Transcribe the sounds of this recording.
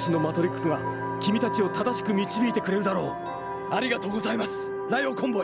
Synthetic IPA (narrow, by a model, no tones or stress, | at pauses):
ɕino̞mat̪o̞ɾʲikːɯ̥sɨɡa | kʲimʲit̪at͡ɕio̞t̪ad̪aɕi̥kɯ̟mʲit͡ɕibʲiːt̪e̞kɯ̟ɾe̞ɾɯ̟d̪aɾo̞ː | aɾʲiɡat̪o̞ːɡo̞zaimasɨ̥ | najo̞ːkõ̞mbo